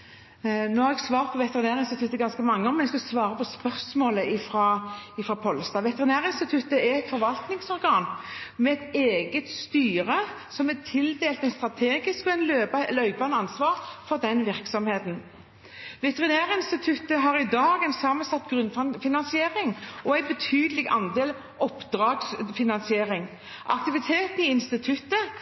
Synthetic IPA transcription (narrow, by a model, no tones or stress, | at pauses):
noːhɑɾɛɡsʋɑːɾt̪pʰɔʋɛt̪əʁɪnæːɾəɪnst̪ɪt̪ʰʉt̪ːəɡɑnskəmɑŋːəɔmnɛskɑsʋɑːɾəpʰɔspœʁsmoːləʔɪfɾɑːɪfʁɑːpʰɔlst̪ɑːʋɛt̪əʁɪnæːʁəɪnst̪ɪt̪ʰʉt̪ːəɛɛt̪fɔɾʋɑlt̪nɪŋsɔɾɡɑːnmɛɛt̪eːɡət̪st̪yːɾə | sɔmɛt̪ʰɪld̪eːlt̪ɛnst̪ɾɑt̪ʰeːɡɪskɔɛnløːblœʏbɑnəɑnsʋɑːɾfɔʁd̪ɛnʋɪʁksɔmheːt̪n̩ | ʋɛt̪əʁɪnæːʁəɪnst̪ɪt̪ʰʉt̪ːəɦɑːʁɪd̪ɑːɡɛnsɑmənsɑt̪ːɡʁʉnffɪnɑnsɪeːʁɪŋɔæɪbət̪ʰyːd̪əlɪɡɑnd̪eːl | ɔpd̪ʁɑːɡsfɪnɑnsɪeːʁɪŋ | ʔɑ̰k̚t̪ɪʋɪt̪ʰeːt̪ən̩ɪɪnst̪ɪt̪ʰʉt̪ːə